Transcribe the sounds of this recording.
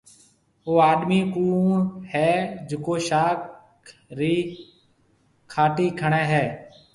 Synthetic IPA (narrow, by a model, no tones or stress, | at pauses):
oːaːɗmiːkuːɳhɛːd͡ʒɪkoːʃaːk | ɾiː | kʰaːʈiːkʰəɳɛːɦɛː